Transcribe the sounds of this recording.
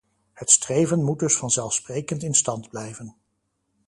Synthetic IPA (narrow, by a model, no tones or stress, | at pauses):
hətstrejvənmud̚dɵsfɑnzɛlˠfsprejkəntɪnstɑndblɛjvən